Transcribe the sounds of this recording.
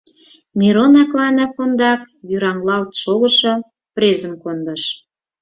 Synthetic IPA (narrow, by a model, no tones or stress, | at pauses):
mʲiɾonɑklɑnɑkond̪ɑk | jyɾɑŋlɑlt̪ʃoɣə̆ʃo | pɾezəmkond̪əʃ